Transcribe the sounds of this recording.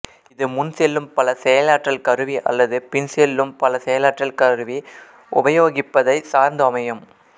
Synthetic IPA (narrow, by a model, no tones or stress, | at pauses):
ɪðɯmʊnsɛlːɯmpɐlɐsɛjɐlaːʈrɐlkɐɾɯʋiʔɐ̰lːɐðɯpɪnsɛlːɯmpɐlɐsɛjɐlaːʈrɐlkɐɾɯʋi | ʔʊbɐjoːɣɪpːɐðɐɪsaːɾnd̪ɯɐmɐjɐm